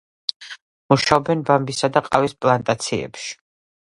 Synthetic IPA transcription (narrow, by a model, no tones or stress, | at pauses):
muʃaɔbɛnbambisad̪aqʼavispʼlˠant̪ʼat̪sʰiɛ̰pʃi̥